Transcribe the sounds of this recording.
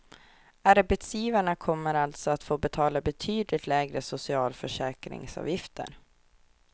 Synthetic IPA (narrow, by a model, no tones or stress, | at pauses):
aɾbɛt̪sjiːvaɳakʰɔmːəɾalt̪sɔat̪foːbɛt̪ʰɑːlabɛt̪ʰyːd̪lɪt̪ʰlɛːɡɾəsʊsɪɑːlfœʂɛːkɾɪ̰ŋsɑ̰ːvjɪft̪ʰə̰ɾ